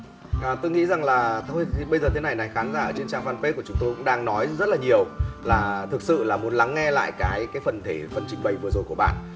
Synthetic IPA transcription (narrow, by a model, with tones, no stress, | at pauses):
ʔaː˨˩t̪o˧ŋḭ˧˥za˨˩ŋlaː˨˩t̪ʰo˧jʰi˨˩ɓə˧jzəː˨˩t̪ʰe˨˦na˨˩jna˨˩jxaː˨˦nzaː˧˩ʔəː˧˩t͡ɕe˧nt͡ɕaː˧ŋfaː˧npe˦˥ku˧˩ət͡ɕʊ˨˦ŋ͡mt̪o˧jkʊ̰˧˥ŋ͡mɗaː˧ŋnɔ˨˦jzə˦˥t̚laː˨˩ɲi˨˩əwlaː˨˩t̪ʰɨ˨˩k̚sɨ̰˧˨laː˨˩mu˨˦ənla˨˦ŋːɛ˧la̰ː˧˨jkaː˨˦jkaː˨˦jfə˨˩nt̪ʰe˧˩fə˨˩nt͡ɕï˧ŋ̟ɓə˨˩jvɨ˨˩əzo˨˩ku˧˩əɓa̰ː˧˨ʔ